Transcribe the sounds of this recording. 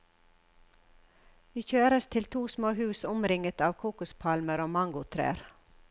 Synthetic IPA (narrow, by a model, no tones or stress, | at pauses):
ʋiːçøːɾəst̪ʰɪlt̪ʰuːsmoːhʉːsʊmɾɪŋət̪ɑːʋkʰuːkʉspʰɑlməɾoːmɑŋɡʊt̪ʰɾḛːɾ